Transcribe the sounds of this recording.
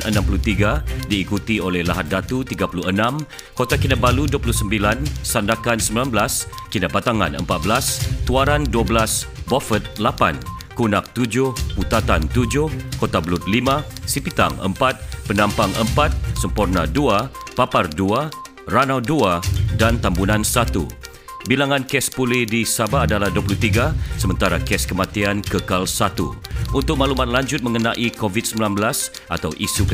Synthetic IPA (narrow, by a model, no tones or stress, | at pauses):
ʔənãmpulut̪iɡadiːkut̪iolɛhlaɦat̪̚dat̪ut̪iɡapuluənãm | kot̪akinabaluduapuluhsəmbilansandakansəmbilanblaskinaʔbat̪aŋa̰nə̰mpat̪̚bəlast̪uaɾanduabəlasbofət̪̚lapa̰n | kunak̚t̪ud͡ʒʊhput̪at̪ant̪ud͡ʒʊhkot̪abəlut̪̚limãsipit̪a̰ŋə̰mpat̪̚pənãmpaŋə̰mpat̪̚səmpurnaduapapardua | ranawduadant̪ambunãnsat̪ṵ | bilaŋãnkɛspulɪhdisabaːdalahduəpulut̪iɡasəmənt̪aɾakɛskəmat̪iankəkalsat̪ṵ | unt̪ʊk̚malumat̪̚laɲd͡ʒʊt̪̚mə̃ŋənaʔikovit̪̚səmbilanbəlas | ʔat̪awʔisuk